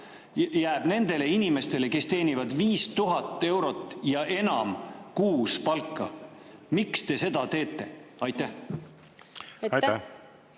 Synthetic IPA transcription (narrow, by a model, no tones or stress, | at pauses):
jæːb̥ne̞nd̪̥e̞le̞inime̞st̪e̞le̞ke̞st̪e̞ːnʲivɑd̪viːst̪uɦɑt̪ːˑe̞wɾo̞t̪ːˑjɑʔe̞nɑmkuːspɑlkːˑɑ̰ | mikst̪e̞se̞d̪ɑt̪e̞ːt̪ːˑe̞ɑjt̪ˑːæ